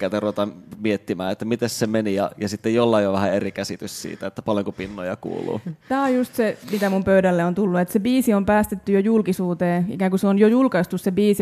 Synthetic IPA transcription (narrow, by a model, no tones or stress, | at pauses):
kæt̪æruʋet̪ɑmmiet̪ːimæːet̪ːæmit̪essemenijɑjɑsit̪ːejolːɑijjoʋæhæerikæsit̪yssḭːt̪æet̪ːæpɑljoŋkupinːojɑkṵːlṵːt̪æːojjust̪semit̪æmumpøydælːeont̪ulːuet̪sebiːsiompæːst̪et̪ːyjojulkisuːt̪eːḭkæːŋkuseonjojulkɑist̪ussebiːsi